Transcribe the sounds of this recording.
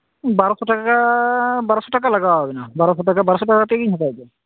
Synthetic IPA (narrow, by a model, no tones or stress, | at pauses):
baɹɔsɔtakkabaɹɔsɔtakalaɡawaɦobɛnabaɹɔsɔtakabaɹɔsɔtakat̪ekiɲɦatajdɛ